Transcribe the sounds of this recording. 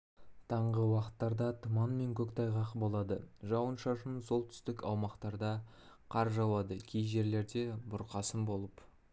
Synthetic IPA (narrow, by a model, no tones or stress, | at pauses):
t̪ʰɑɴʁəwɑqə̥t̪ːɑɾd̪ɑt̪ʰʊmɑnme̞ŋkʲʰɵkt̪ʰɑjʁɑqbo̞lˠɑd̪əʒɑwənʃɑʃənso̞lˠt̪ʰʏ̥st̪ɪkɑwmɑqt̪ɑɾd̪ɑ | qʰɑɾʒɑwɑd̪əkʲʰejʒe̞ɾle̞ɾd̪e̞bʊɾqɑsəmbo̞lˠəp